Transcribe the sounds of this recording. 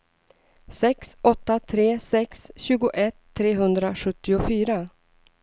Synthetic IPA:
sɛksɔt̪ːat̪ʰɾeːsɛksɕʉ̟ːɡʊʔɛt̪ʰːɾeːɦɵnd̪ɾaɧɵt̪ːɪʊfyːɾa

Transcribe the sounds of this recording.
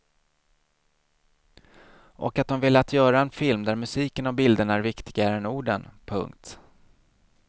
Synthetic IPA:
ʔɔ̰kat̪̚d̪ɔmvɪlːəat̪ʰjœːɾaɛnfɪlmd̪æɾmɵsiːkənavbɪld̪əɳaæɾvɪkt̪ɪɡaɾəɛnuːɖənpʰɵ̰ŋkt̪

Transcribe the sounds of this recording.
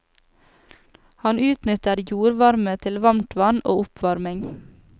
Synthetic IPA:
hɑnʔʉːt̪nʏt̪əɾjuːɾʋɑɾmət̪ʰɪlʋɑmt̪ʰʋɑno̰ːʊpʰʋɑɾmɪŋ

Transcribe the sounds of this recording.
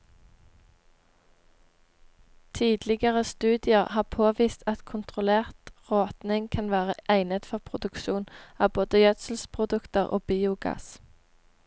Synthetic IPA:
t̪ʰiːd̪lɪɡəʁəst̪ʉːd̪ɪəʁhɑːʁpʰoːʋiːst̪ɑt̪kʰʊnt̪ʁʊleːʁt̪ʁoːt̪nɪŋkʰɑnʋæːʁəʔæɪnət̪fɔʁpʰʁʊd̪ʉkʃuːnɑːboːd̪əjœt̪sl̩spʰʁʊd̪ʉkt̪əʁʔo̰ːbiːʊɡɑ̰ːs

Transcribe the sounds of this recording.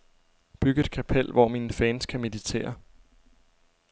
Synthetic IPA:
b̥yɡ̥əe̝d̥̚kʰæpʰel̰ʋɒminfɛːnskʰæme̝ðit͡sʰe̝̰ːɐ

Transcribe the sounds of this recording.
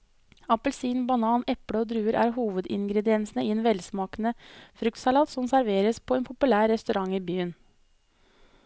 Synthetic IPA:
ɑpəlsiːnbɑnɑːnɛpɽəɔːd̪ɾʉːəɾʔæ̰ːɾhuːʋəd̪ɪŋɡɾɛd̪ɪɛnsnəiːeːnʋɛlsmɑːkənəfɾʉk̚t̪sɑlɑːt̪sɔmsæɾʋeːɾəspʰɔeːnpʰʊpʉlæːɾːɛst̪ʉɾɑŋiːbyːən

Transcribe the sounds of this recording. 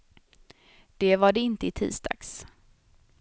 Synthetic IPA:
d̪̥ɛvaɖɛɪnt̪əɪt̪ʰḭːsd̪ɑ̰ːɡ̥s

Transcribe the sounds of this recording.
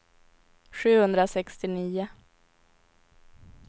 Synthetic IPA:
ɧʉ̟ːhɵnd̪ɾasɛkst̪ɪniːʊ

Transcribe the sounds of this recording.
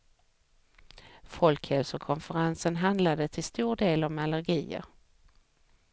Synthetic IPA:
fɔlkhɛlsʊkʰɔnfəɾansənɦand̪lad̪ət̪ʰɪlst̪uːɖeːlɔmalæɾɡiːə̰ɾ

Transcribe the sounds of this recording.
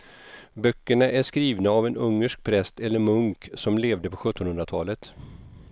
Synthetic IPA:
bœkːəɳaʔæʂkɾiːvnaːvɛnɵŋːəʂk̚pʰɾɛst̪ɛlːəɾmɵŋksɔmleːvd̪əpʰɔɧɵt̪ːɔnhɵnd̪ɾat̪ʰɑːlət̪

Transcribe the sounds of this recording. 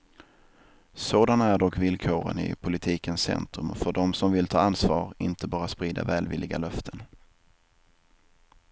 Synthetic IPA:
soːd̪anæɖɔkːvɪlkʰoːɾə̰nɪ̰pʰʊlɪt̪ʰiːkənssɛ̰nt̪ɾɵmfœɖɔmsɔmvɪlt̪ʰɑːansvɑːɾɪnt̪əbɑːɾaspɾiːd̪a̰vɛːlvɪlːɪɡalœft̪ʰən

